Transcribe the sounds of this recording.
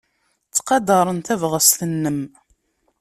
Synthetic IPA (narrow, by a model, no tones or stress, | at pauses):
t͡sːqɑd̪ɑɾˤənt̪ævʁəst̪ənːəm